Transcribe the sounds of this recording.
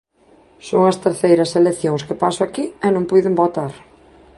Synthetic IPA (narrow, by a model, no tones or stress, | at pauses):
soŋɐst̪eɾθejɾɐseleθjoŋskepasʊakiɛnõŋpujðembot̪aɾ